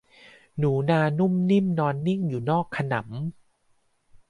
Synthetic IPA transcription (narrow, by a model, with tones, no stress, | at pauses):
nuː˩˦naː˧nu˥˩mni˥˩mnɔː˧nːi˥˩ŋjuː˨˩nɔː˥˩kʰːa˧na̰˩˦m